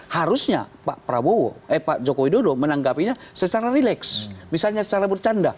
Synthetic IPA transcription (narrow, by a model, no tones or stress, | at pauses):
haɾusɲa̰pa̰ʔpɾabowo̰əpaʔd͡ʒokowidodomənaŋɡapiɲasət͡ʃaɾaɾilɛksmisalɲasət͡ʃaɾabərt͡ʃanda